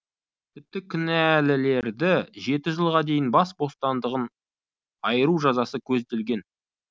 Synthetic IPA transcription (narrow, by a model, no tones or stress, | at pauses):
t̪ʰɪp̚t̪ɪkʲʰʏnælɪle̞ɾd̪ɪʒe̞t̪ɪʒəlˠʁɑd̪e̞jɪnbɑsbo̞st̪ɑnd̪əʁən | ɑjəɾuʒɑzɑsəkʲʰɵzd̪e̞lɡʲe̞n